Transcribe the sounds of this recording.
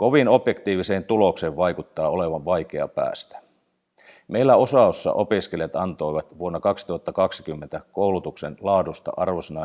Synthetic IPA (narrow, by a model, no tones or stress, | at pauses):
ko̞ʋino̞pje̞kt̪iːʋiseːnt̪ulo̞kseːʋʋɑjkut̪ːɑːo̞leʋɑʋʋɑjke̞ɑ̰pæ̰ːst̪æ̥ | meilːæosɑˑosːɑ̰ʔo̞piske̞ljɑt̪ɑnt̪o̞jʋɑt̪ʋuonːɑkɑksit̪uhɑt̪ːɑkɑksi̥kymːent̪ækowlut̪uksenlɑːdust̪ɑ̰ʔɑrʋosenɑ